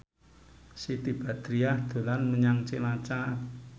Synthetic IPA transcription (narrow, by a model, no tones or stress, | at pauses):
sit̪ib̥a̤d̪̥ɾiahd̪̥o̤lanməɲaŋt͡ʃelat͡ʃa